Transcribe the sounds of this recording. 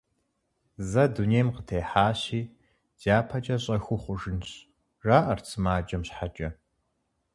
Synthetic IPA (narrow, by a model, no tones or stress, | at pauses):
zɐdunejmqətʰeːħaːɕiː | d̥aːpʰɐt͡ʃʼɐɕʼɐxʷʊχʷʊʒɨnɕ | raːʔɐrt͡sʰɨmaːd͡ʒʼɐmɕħat͡ʃʼɐ